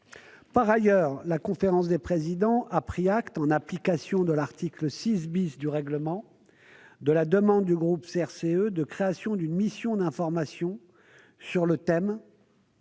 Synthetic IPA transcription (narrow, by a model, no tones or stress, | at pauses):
paʁajœːʁlakɔ̃feʁɑ̃s̬d̪epχezid̪ɑ̃ʔapχiakt̪ɑ̃naplikasjɔ̃d̪əlaʁt̪ikləsis̬bisd̪yʁɛɡləmɑ̃ | d̪əlad̪əmɑ̃d̪ːyɡʁupseɛʁseød̪əkχeasjɔ̃d̪ynmisjɔ̃d̪ɛ̃fɔʁmasjɔ̃ | syʁlət̪ɛm